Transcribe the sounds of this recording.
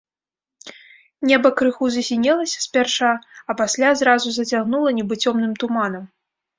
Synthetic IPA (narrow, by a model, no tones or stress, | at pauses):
nʲɛbɐkɾɨxuzɐsʲinʲɛlˠɐsʲɐ̥spʲɛrʂaɐpasʲlʲazɾazuzɐt͡sʲaɣn̪ulˠɐnʲɛbɨt͡sʲɔmnɨmt̪umanɐm